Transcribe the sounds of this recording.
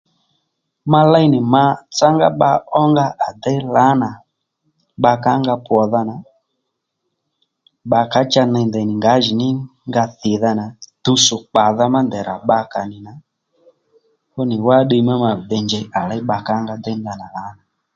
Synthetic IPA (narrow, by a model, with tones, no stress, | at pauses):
ma˦˧la˦nɪ˨ma˧˦t͡sa˦ŋɡa˦ɓa˧ɔ˦ŋɡa˦ʔa˨dɛ˦la˨˦na˨ | ɓa˧ka˨˦ŋɡa˧pwɔ˨ða˧na˨ | ɓa˧ka˨˦t͡ʃa˧nɛ˧ndɛ˨nɪ˨ŋɡa˨˦ʒi˨nɪ˦ŋɡa˧θɪ˨ða˧na˨tu˧sʊ˨k͡pa˨ða˧ma˦nd̪ɛ˨ɾa̰˨ɓa˧ka˨nɪ˨na˨ | kɔ˦nɪ˨wa˦ɗe˧˦ma˦ma˨bɛ˧nd͡ʒɛ˧ʔa˨la˦i˦ɓa˧ka˨˦ŋɡa˧d̪ɛ˦nda˨na˨la˨˦na˨